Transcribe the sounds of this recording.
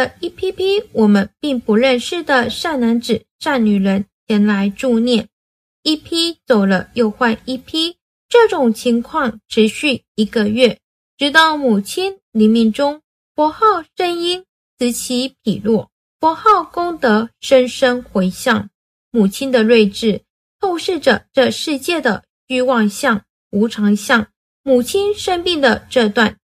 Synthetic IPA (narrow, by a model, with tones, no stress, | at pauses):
ə˨i˥˩pʰi˥pʰi˥wɔ˨˩mə˧˦npi˥˩ŋpu˧˥ɻə˥˧nʂɻ̩˥˩d̪ə˨ʂa˥˩nna˧˥nt͡sɻ̩˨˩ʂa˥˩nny˨˩ɻə˧˥nt͡ɕʰjɛ˧˥nla˧˥ɪʈ͡ʂu˥˧njɛ˥˩n | i˥˩pʰi˥t͡so˨˩ʊlə˦jo˥˧ʊxwa˥˧ni˥˩pʰi˥ | ʈ͡ʂɤ˥˩ʈ͡ʂʊ˨˩ŋt͡ɕʰi˧˥ŋkʰwɑ˥˩ŋʈ͡ʂʰɻ̩˧˥ɕy˥˩ | i˧˥ɡə˧ɥɛ˥˩ | ʈ͡ʂɻ̩˧˥t̪ɑ˥˩ʊmu˨˩t͡ɕʰi˥nli˨˩nmi˧˩nʈ͡ʂʊ˥ŋ | fɔ˧˥xɑ˥˩ʊʂə˥ni˥n | t͡sʰɹ̩˧˥t͡ɕʰi˧˥pʰi˨˩lwɔ˥˩ | fwɔ˧˥xɑ˥˩ʊkʊ˥ŋt̪ɤ˧˥ʂə˥nʂə˥nxwe˧˥ɪɕjɑ˥˩ŋ | mu˨˩t͡ɕʰi˥nd̪ə˨lwe˥˧ɪʈ͡ʂɻ̩˥˩ | t̪ʰo˥˧ʊʂɻ̩˥˩ʈ͡ʂə˩ʈ͡ʂɤ˥˧ʂɻ̩˥˧t͡ɕjɛ˥˩d̪ə˩ | ɕy˥wɑ˥˧ŋɕjɑ˥˩ŋ | u˧˥ʈ͡ʂʰɑ˧˥ŋɕjɑ˥˩ŋ | mu˨˩t͡ɕʰi˥nʂə˥npi˥˩ŋd̪ə˩ʈ͡ʂɤ˥˧t̪wa˥˩n